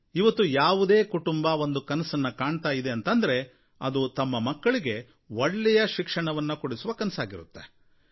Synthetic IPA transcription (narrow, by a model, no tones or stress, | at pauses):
iʋɐt̪ːujaːʋud̪e̞ːkuʈumbɐʋo̞nd̪ukɐnɐsɐnːɐkaːɳt̪aːjid̪eɐnt̪ɐnd̪ɐɾe̞ | ɐ̰d̪ut̪ɐmːɐmɐkːɐɭiɡe̞ | ʋoɭːɛjɐʃikʂɐɳɐʋɐnːɐkuɽisuʋɐkɐnɐsaːɡiɾut̪ːe̥